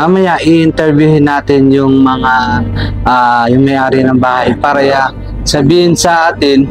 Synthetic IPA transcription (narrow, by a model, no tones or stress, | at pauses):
ʔɐmɐjaʔɪʔɪnt̪ɛɹbjuhɪnːaːt̪ɪnjʊŋmɐŋaʔajʊŋmɐjʔaːɾɪnɐŋbaːhɐjpaːɾɐja | sɐbiːhɪnsɐʔaːt̪ɪn